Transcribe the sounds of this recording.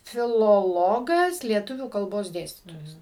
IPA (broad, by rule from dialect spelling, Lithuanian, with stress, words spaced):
fʲɪlˠoːˈlˠoːɡɐs lʲiɛˈtʊʋʲuː kɐlˠˈboːs ˈdʲeːsʲtʲiːtoːjɛs